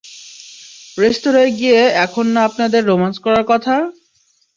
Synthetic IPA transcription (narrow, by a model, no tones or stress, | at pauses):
ɾeʃt̪oɾoeɡijeɛkʰonːaapnad̪eɾːomanskɔɾaɾkɔt̪ʰa